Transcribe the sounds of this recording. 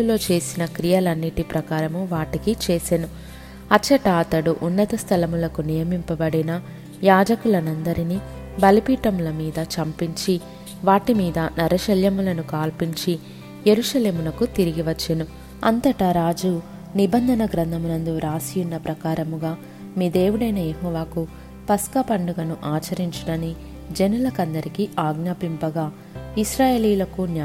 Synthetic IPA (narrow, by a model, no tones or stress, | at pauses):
ulo̞ːt͡ʃe̞ːsinɐkɾijɐlɐnːiʈipɾɐkaːɾɐmuʋaːʈikit͡ʃeːsenu | ɐt͡ʃːɐʈaːt̪ɐɽuʔunːɐt̪ɐst̪ʰɐlɐmulɐkunijɐmimpɐbɐɽinɐ | jaːd͡ʒɐkulɐnɐnd̪ɐɾini | bɐlipiːʈɐmulɐmiːd̪ɐt͡ʃɐmpiɲt͡ʃi | ʋaːʈimiːd̪ɐnɐɾʔɐʃɐljɐmulɐnukaːlpiɲt͡ʃi | jeɾuʃɐle̞ːmunɐkut̪iɾiɡiʋɐt͡ʃːɐnu | ɐ̰nt̪ɐʈɐɾaːd͡ʒuː | nibɐnd̪ʱɐnɐɡɾɐnd̪ʱɐmunɐnd̪uɾaːsijunːɐpɾɐkaːɾɐmuɡaː | miːd̪eːwuɽɐjnɐjeɦɔːʋaːku | pɐskɐpɐɳɖuɡɐnuʔaːt͡ʃɐɾiɲt͡ʃuɽɐni | d͡ʒenulɐkɐnd̪ɐɾikiaːɡnaːpimpɐɡaː | iʃɾaːjeːliːlɐkunː